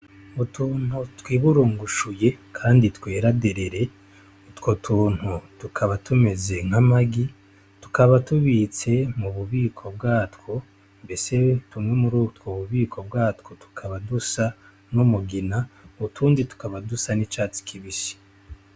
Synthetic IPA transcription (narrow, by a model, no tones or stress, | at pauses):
utuːn̥hutwiːβuɾuːŋɡuʃuje̞kʰaːnditweːɾadeɾeɾe̞ | utkotʰuːn̥hutukʰaβatume̞zeŋ̥amaɡi | tu̥kaβatuβiːt͡se̞muβuβiːkʰo̞bɡaːtko̞ | mbe̞se̞tumŋe̞muɾutkoβuβiːkʰo̞bɡaːtko̞tu̥kʰaβadusa | numuɡinatuːnditu̥kaβadusanit͡ʃaːt͡si̥kʰiβisi̥